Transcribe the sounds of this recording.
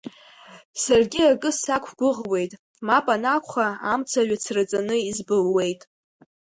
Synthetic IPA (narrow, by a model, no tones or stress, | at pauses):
sarɡʲiakʼɨsakʷʰɡʷʊʁwe̞jtʼ | mapʼanakʷʰχaamt͡sʰaɥʷat͡sʰrat͡sʼanɨizbɨlwe̞jtʼ